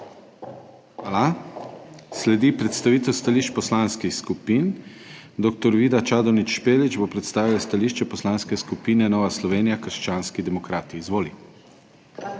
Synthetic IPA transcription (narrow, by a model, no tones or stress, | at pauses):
ala | slɛd̪ipɾɛt̪st̪aʋiːt̪ɛwst̪aliʃt͡ʃpɔslanskixskupind̪okt̪ɔɾʋiːd̪at͡ʃaːd̪ɔnit͡ʃʃpeːlit͡ʃbopɾɛt̪st̪aːʋilast̪aliʃt͡ʃɛpɔslaːnskɛskupiːnɛnɔːʋaslɔʋeːnijakəɾʃt͡ʃaːnskid̪ɛmɔkɾaːt̪iːzʋoːli